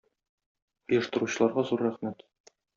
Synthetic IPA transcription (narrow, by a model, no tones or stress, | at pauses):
ɤ̆jɤ̆ʃt̪ɤ̆ɾuɕɤ̆lˠɑɾʁɑzuɾæχmæt̪